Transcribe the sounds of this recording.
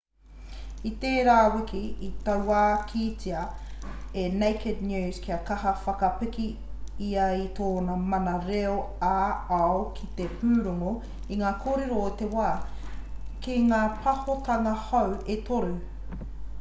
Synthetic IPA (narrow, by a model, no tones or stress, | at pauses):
it̪eːɾaːwɪkʰiit̪ɐwaːkʰiːt͡siɐ | enejked̚nʉːzkʰiɐkɐɦɐfɐkɐpɪki | iɐit̪ʰoːnɐmɐnɐɾeoaːɐokʰit̪epʰʉːɾuŋo | iŋaːkʰoːɾe̞ɾoot̪ewaː | kiŋaːpʰɐhot̪ɐŋɐhɐwet̪ʰoɾu